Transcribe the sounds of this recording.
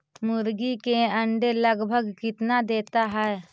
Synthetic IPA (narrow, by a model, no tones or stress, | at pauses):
mʊɾɡikeə̃ɳɖeləɡbʱəɡkɪt̪nad̪eːt̪aɦɛ